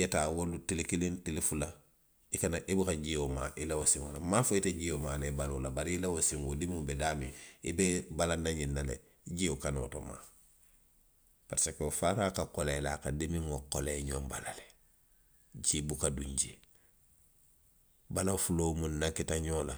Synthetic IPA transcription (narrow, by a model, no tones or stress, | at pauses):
jetaːwolutilekilĩntilefula | ikanaʔibikaɟioma̰ʔilawosiŋolamaːfoiteɟiomaːlebalolabaɾiilawosiŋodimĩŋbedaːmĩibebalanaɲinːalḛ | ɟiokano̰ːto̰ma̰ | paɾsekeofaːɾaːkakolelakadimiŋokoleːɲõmbalale̥ | d͡ʒibukaduɲd͡ʒi | balafuloːmũnnakitaɲoːla